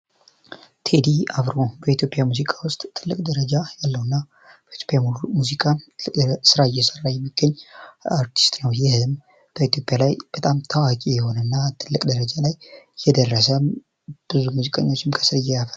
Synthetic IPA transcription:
t̪ʰed̪iavɾo̞bəit̪ʰjo̞pʼjamuzikʼawʊst̪ʼt̪ʰːɨlːɨkʼd̪əɾəd͡ʒajalːəwɨnːa | b̥əit̪ʰjo̞pʼjamuzikʼa | sɨɾaɪjːɛsərːajɛmːiɡːəɲːaɾt̪ʰi̥st̪ʼnəwjɪhɨm | b̥əit̪ʰjo̞pʼjalajb̥ət̪ʼamt̪ʰawakʼijɛho̞nənːat̪ʰɨlːɨkʼd̪əɾəd͡ʒalajːɛd̪ərːəsə | b̥ɨzumuzikʼəɲːo̞t͡ʃːɪmkʰə̥sɨɾɨjɛjafə

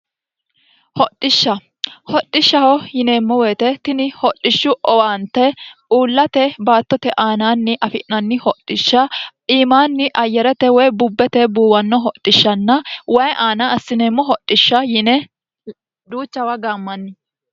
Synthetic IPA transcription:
hɔtʼːɪʃːɐ | hɔt̪ʼːɪʃːɐhɔjɪneːmːɔweːt̪ɛt̪ɪnɪhɔᶑːɪʃːʊʔɔwaːnt̪ɛuːlːɐt̪ɛbaːt̪ːɔt̪ɛʔaːnaːnːɪʔɐfɪʔnɐnːɪhɔtʼːɪʃːɐiːmaːnːɪʔɐjːɛɾɛt̪ɛwɔjbʊbːɛt̪ɛbuːwɐnːɔɦɔt̪ʼːɪʃːɐnːɐwɐjʔaːnɐɐsːɪneːmːɔɦɔtʼːɪʃːɐjɪnɛ | d̪uːt͡ʃːɐwɐɡaːmːɐnːɪ

